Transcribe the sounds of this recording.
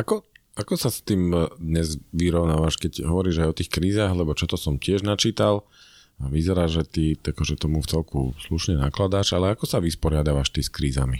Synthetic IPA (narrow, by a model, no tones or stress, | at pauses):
akɔ | akɔsast̪iːmd̪ɲɛzʋiɾɔʊnaːʋaʃkɛɟɦɔʋɔɾiːʒajɔt̪iːxkɾiːzaːɣlɛbɔt͡ʃɔt̪ɔsɔmcɪɛʒnat͡ʃiːt̪al | aʋizɛɾaːʒʒɛt̪iakɔʒɛt̪ɔmuft͡sɛlkṵsluʃɲɛnaklad̪aːʒalɛakɔsaʋispɔɾɪad̪aʋaʃt̪iskɾiːza̰mi